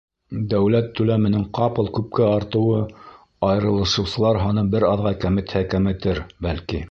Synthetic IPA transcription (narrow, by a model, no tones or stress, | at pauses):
d̪æwlæt̪ːʉlæmɘ̆nɘŋqɑpɤlˠkʉp̚kæɑɾt̪ɤ̆wɤ | ɑjɤ̆ɾɤ̆lˠɤ̆ʃɤ̆wsɤ̆lˠɑɾɦɑnɤbɘɾɑðʁɑkæmɘ̆t̪hækæmɘ̆t̪ɘɾbælki